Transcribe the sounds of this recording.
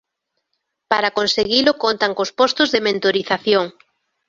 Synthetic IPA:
paɾakonseɣilʊkont̪aŋkospɔst̪ʊzðemẽnt̪oɾiθaθjoŋ

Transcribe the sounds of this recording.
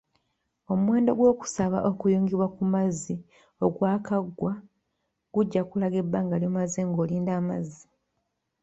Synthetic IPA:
o̞muwe̞ːndo̞ɡwo̞ːku̥saβa̰ʔo̞kujoːŋɡiβwakumazi | o̞ɡwaːkaɡːwa | ɡ̥uɟːakulaɡe̞bːaːŋɡaljomazeŋɡo̞ːliːndaːmazi

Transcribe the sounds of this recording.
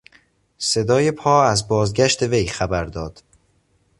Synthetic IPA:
se̞d̪ɒːje̞pʰɒːæzbɒːzɟæʃt̪e̞ve̞jxæbæɾd̪ɒːd̪̥

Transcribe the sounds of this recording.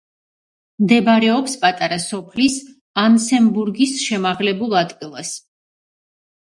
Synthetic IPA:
md̪ɛbaɾɛɔpspʼat̪ʼaɾasɔpʰlis | ansɛmbuɾɡisʃɛmaʁlɛbulˠat̪ʼkʼilˠas

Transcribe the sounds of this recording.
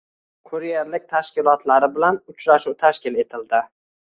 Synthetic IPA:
kʰʊɾijeɾlɪk̚ʲt̪ʰaʃkʲɪlˠɒt̪laɾɪbɪlanʊt͡ʃɾaʃuwt̪ʰaʃkʲɪle̞t̪ʰɪld̪ɪ

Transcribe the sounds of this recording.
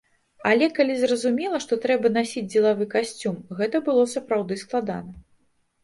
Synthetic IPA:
alʲɛkalʲizrɐzumʲilˠɐʂt̪ɔt̪ɾɛbɐnasʲid͡zʲd͡zʲɛlˠavɨkasʲt͡sʲumɣɛt̪ɐbɨlˠɔsɐpɾawd̪ɨsklˠad̪a̰nɐ

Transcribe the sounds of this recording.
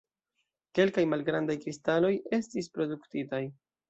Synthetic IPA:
ke̞lkajmalɡɾandajkɾistalo̞je̞stispɾo̞duktitaj

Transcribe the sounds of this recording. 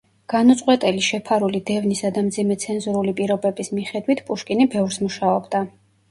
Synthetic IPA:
ɡ̥anɔt̪sʼqʼwɛt̪ʼɛliʃɛpʰaɾulid̪ɛvnisad̪amd̪zimɛt̪sʰɛnzuɾulipʼiɾɔbɛbismiχɛd̪wit̪ʰpʼuʃkʼinibɛvɾsmuʃaɔbd̪a

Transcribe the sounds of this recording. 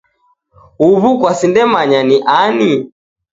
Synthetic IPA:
uβukwasindɛmaɲaniʔani

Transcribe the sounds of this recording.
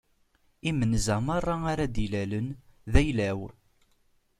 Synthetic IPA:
imənzæmɑrˤːɑaɾad̪ilælənðæjlæw

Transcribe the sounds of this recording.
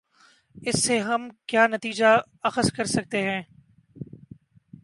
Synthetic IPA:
ɪsːeɦɐmkjaːnɐt̪iːd͡ʒa | ɐxəskɐɾsɐk̚t̪eɦɛ̃ː

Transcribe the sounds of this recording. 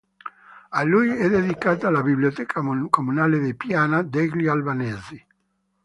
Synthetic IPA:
alujɛd̪ed̪ikaːt̪aalabibliot̪ɛkʰakomunaːled̪epjaːnad̪eɡlialbaneːzi

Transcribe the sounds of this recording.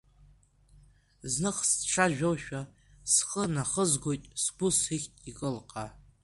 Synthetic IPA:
znɨχsʈ͡ʂʰaʒᶣowʃᶣa | sχənaχəzɡo̞jtʼsɡ̥ʊsiχʲtʼikʼɨlqʼa

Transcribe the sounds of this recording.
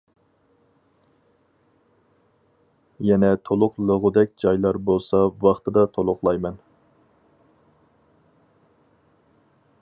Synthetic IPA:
jɛnɛt̪ʰolˠʊqlˠəʁʊd̪ɛk̚ʲd͡ʒɑjlˠɑɾbolˠsɑwɑχt̪ʰɨd̪ɑt̪ʰolˠʊqlˠɑjmɛn

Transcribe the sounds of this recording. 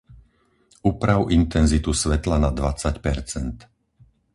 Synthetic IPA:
uːpɾaʊʔint̪ɛnzit̪usʋɛt̪lanad̪ʋat͡sacpɛɾt͡sɛnt̪

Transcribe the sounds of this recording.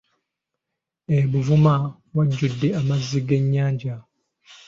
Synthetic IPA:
eβuvuma | waɟːudːeamazːiɡeɲːaːɲɟa

